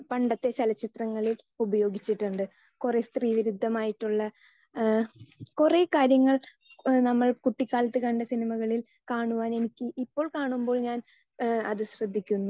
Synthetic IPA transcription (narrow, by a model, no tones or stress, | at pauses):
pɐɳɖɐt̪ːe̞t͡ɕɐlɐt͡ɕːit̪rɐŋːɐɭil | ubɐjo̞ːɡit͡ɕːiʈːuɳɖɨ | kure̞st̪riːʋiɾud̪ʱːɐmaːjiʈːuɭːɐ | kure̞ːkaːɾjɐŋːɐɭ | nɐmːɐɭkuʈːikʲːaːlɐt̪ːɨkɐɳɖɐsinimɐɣɐɭil | kaːɳuʋaːne̞nikʲːɨʔipːo̞ːɭkaːɳumbo̞ːɭɲaːn | ɐðɨɕrɐd̪ʱːikʲːunːu